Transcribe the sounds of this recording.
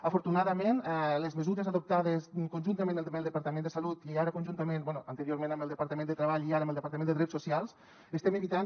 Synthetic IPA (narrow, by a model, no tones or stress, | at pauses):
əfoɾt̪unaðəmenɛləzməzuɾəzaðop̚t̪aðəskunʲʒunt̪əmẽnld̪melˠd̪əpaɾt̪əmẽnd̪əsalut̪iaɾəkunʲʒunt̪əmenbwɛnuʔənt̪əɾjoɾmẽnəmbəlˠd̪əpaɾt̪əmend̪ət̪ɾəβ̞aʎiaɾəməlˠdəpaɾt̪əmẽnd̪əðɾɛsusialˠs | əst̪ɛməβit̪an